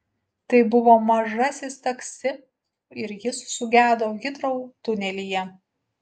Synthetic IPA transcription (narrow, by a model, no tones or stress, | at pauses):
t̪ɐɪbʊʋoːmɐʒɐsʲɪst̪ɐksʲɪ | ɪɾjɪssʊɡʲæːd̪oːɡʲɪt̪ɾɐʊt̪ʊnʲɛlʲijɛ